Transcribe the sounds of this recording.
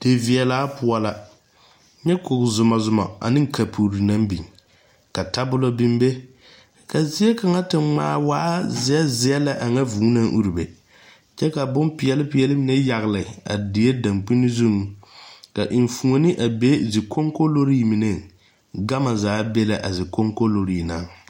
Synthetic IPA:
d̥e˨vɪ˨ɛ˨laː˦pʊ˦a˦la˦ | ɲɛ˦kʊ˨kzʊ˨ma˨zʊ˨ma̰˨a̰˨nɪ˦ŋ˦ka˨pʰu˨ɾi˨na˦mbi˨ŋ | ka˨ta˦bʊ˦lo˦bɪ˦mbe˦ | ka˨zɪ˦ɛ˦ka˨ŋa˦tɪ˨ŋ͡maː˦waː˦zɪ˨˦ɛ˦zɪ˦ɛ˦la˦ʔa˨ŋa˦vuː˨˦na˦ŋʔṵ˦ɾi˨bḛ˨ | t͡ʃɛ˦ka˨bʊ˦mpɪ˨jɛ˦lɪ˦pɪ˨˦ɛ˦lɪ˦mɪ˨˦ne˦ja˨ɣlɪ˨a̰˨dɪ˨je˦da˨mk͡pi˦nɪ˦zʊ˦ŋ˨ka˨ʔɪ˨ɱ˨fu˨o˨nɪ˦ʔa˨be˦zɪ˨kʰo˦ŋko˦lo˦ɾiː˦˨mɪ˨ne˦ | ɡa˦ma˨zaː˨˦be˦la˨ʔa˨zɪ˨ko˦ŋko˦lo˨ɾi˦˨na˨˦

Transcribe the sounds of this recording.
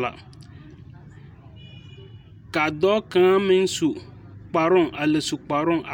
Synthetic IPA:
la̰˨ | ka˨d̪ɔ˦kã˦a˦mẽ˦ŋ̩˦su˨ | k͡pa˨ɾɔ˦ŋa˨le˨su˨k͡pa˨ɾɔ˦ŋʔa˨

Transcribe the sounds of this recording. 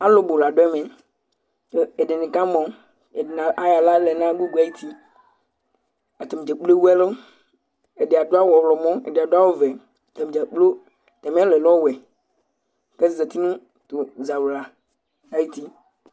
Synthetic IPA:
a˦lo˦bo˨la˨ɖo˦ɛ˦mẽ˨ | o˦e˨de˨nẽ˨ka˦mɔ̃˨˦ | e˨dnã˨a˦ja˨la˦lɛ˨nã˦ɡu˦ɡu˨˦a˨˦ji˦t̪ʰi˦ | a˨t̪e˨m˨d͡ʒe˨k͡ple˦wu˦ɛ˦lo˦ | e˨de˨a˨do˦a˦wɔ˨wlɔ˨mɔ̃˦ḛ˨de˨a˨do˦a˦wo˦vɛ˨ | t̪e˨m˨d͡ʒɛ˨k͡plo˦ | t̪ɛ˨mɛ̃˦le˨lɔ˦wɛ˨ | ke˦˨ze˨t̪i˦nũ˦ | t̪o˨za˨wla˨ | a˦ji˦t̪i˦

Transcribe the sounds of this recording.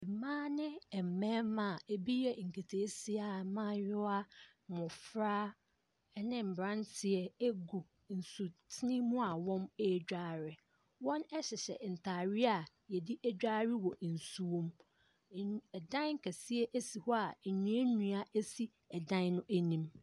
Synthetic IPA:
bi˨mãː˦nɪ̃˦ɛ˨m̩˨mɛ̃˦mã˨e˨bi˦jɛ˦˨ŋ̩˨kʰe˨tʰeː˨˦si˦a˨mã˦jɔ˦a˦ | mɔ̃˨fɾaː˦ | nɪ̃˦m̩˨bɾã˦ntʰɪ˨ɛ˨e˦ɡu˨ | n̩˨su˨tʰɪ˦nĩ˦mũ˦a˨wɔ̃˦me˦d͡ʑᶣaː˦ɾɪ˨ | wɔ̃˦nɛ˦ɕɛ˨ɕɛ̰˨n̩˨tʰaː˨ɾɪ˦a˨ | jɛ˨di˦ʔæ˦d͡ʑᶣa˦ɾɪ˦wɔ˨n̩˨su˨wõ˦m˨ | ɛ˨dã˦ŋ˨kʰæ˨si˦ɛ˦ʔæ˦si˨hɔ˦a˨ɲũ˦e˦nũ˦a˨ʔe˦si˦ | ɛ˨dã˦nnʊ̃˦ʔæ˦nĩ˨m

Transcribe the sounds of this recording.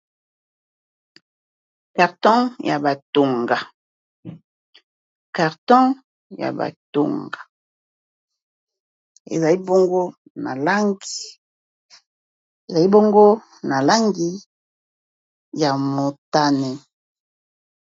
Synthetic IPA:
ka˨ʁtɔ̃˦ja˨ba˨to˨ŋɡa˨ | ka˨ʁtɔ̃˦ | ja̰˨ba̰˨to̰˨ŋɡa˨ | ḛ˨za˨li˦bo˦ŋɡo˦ | na̰˨la˦ŋɡi˦ | e˨za˨li˦bo˦ŋɡo˦ | na˨la˦ŋɡi˦ | ja˨mo˨ta˦nɛ˨

